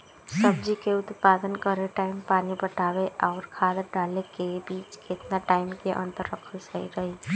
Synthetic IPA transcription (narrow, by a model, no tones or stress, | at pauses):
səbd͡ʒikeʊt̪paːd̪ənkəɾeʈaɪmpaːnibəʈaʋeʔaːɾkʰaːd̪ɖalekebiːt͡ʃket̪naʈaːɪmkeʔə̰̃nt̪əɾːəkʰəsəḭɾəɦi